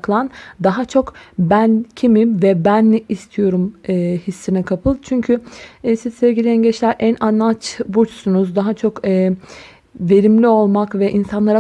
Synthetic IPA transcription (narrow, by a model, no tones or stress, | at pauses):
klˠand̪aɦat͡ʃʰo̞kbæncʰimimvɛbænːiʔist̪ʰijo̞ɾumːhisːinɛkʰapʰɯlˠt͡ʃʰyɲcʰysiz̥sɛvɟilʲijɛnɟɛt͡ʃlʲæɾʔænʔanat͡ʃbut͡ʃsunuzd̪aɦat͡ʃʰo̞kɯː | ve̞ɾimlʲio̞lˠmakvɛʔinsanlˠaɾa